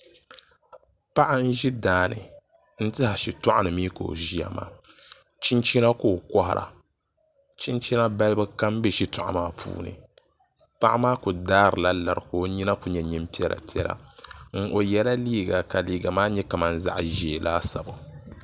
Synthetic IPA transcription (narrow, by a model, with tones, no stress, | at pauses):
pa˦ʔa˦n̩˦ʒi˦daː˨nɨ̰˨ | n̩˦tɨ˦ha˨ʃi˨tʊ˦ʔa˦nɨ˨miː˦ko̰˨ʒi˦a̰˨ma̰ː˨ | t͡ʃi˦nt͡ʃi˦na˦koː˦˨kɔ˦ha˨ɾʔa̰˨ | t͡ʃi˦nt͡ʃi˦na˦ba˦lɨ˦bɨ˦ka˦m˦bɛ˦ʃi˦tʊ˨ʔa̰˨maː˦pʰṵː˦nɨ̰˨ | pa˦ʔa˦maː˦ku˨daː˦ɾɨ˨la˦la˨ɾkoː˨˦ɲi˦na˦ku˨ɲɛ˨ɲi˦m˦pi˦ɛ˦lʔa̰˨pi˦ɛ˦lʔa̰˨ŋ̩˦˨ʔo˨jɛ˦la˦liː˦ɡa˨ka˨liː˨ɡa˨maː˦ɲɛ˦ka˨ma˦n̩˦za̰˦ʔʒe˨lʔaː˦sa˨ba˨